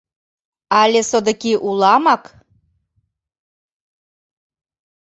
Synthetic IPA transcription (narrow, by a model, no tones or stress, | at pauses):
ɑlʲesod̪ə̆kiʔulɑmɑk